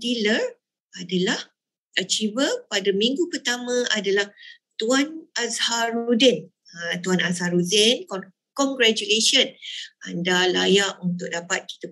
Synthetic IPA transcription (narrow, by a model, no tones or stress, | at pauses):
dilər | adalah | ət͡ʃivəpadamĩŋɡupərt̪amə̃adalaht̪uanazhaɾudɛn | t̪uanazhaɾudɛnk | kɔŋɡɾat͡ʃuleʃənandalajaʔunt̪ʊk̚dapat̪̚ki̥t̪ə